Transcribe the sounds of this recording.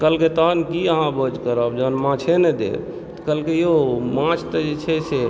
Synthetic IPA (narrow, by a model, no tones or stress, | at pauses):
kəlket̪əɦənkiəɦãbəd͡ʒkəɾəbd͡ʒəɦnmãt͡ʃʰenɛd̪ḛɾ | t̪kəlkejomãt͡ʃʰt̪əd͡ʒet͡ʃʰɛse